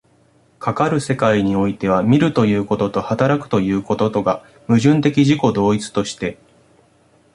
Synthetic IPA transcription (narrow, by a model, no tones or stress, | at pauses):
kʰakaɾɯ̟se̞kaiɲ̟io̞it̪e̞β̞amʲiɾɯ̟t̪o̞jɯ̟ːko̞t̪ot̪o̞hat̪aɾakɯ̟̥t̪o̞jɯ̟ːko̞t̪o̞t̪o̞ɡa | mɯ̟ʑɨ̃nt̪e̞kʲiʑiko̞d̪o̞ːit͡sɨ̥t̪o̞ɕi̥t̪e̞